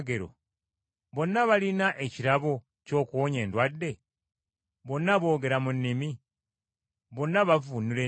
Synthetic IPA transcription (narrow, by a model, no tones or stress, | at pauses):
ɡe̞ɾo̰ | βo̞nːaβalinaʔe̞ciɾaβo̞ | co̞ːkuoɲe̞ːndwadːe̞ | βo̞nːaβo̞ːɡe̞ɾamunːimi | βo̞nːaβavunile